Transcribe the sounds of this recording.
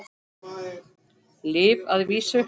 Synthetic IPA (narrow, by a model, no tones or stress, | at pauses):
lɪːvaðviːsʏ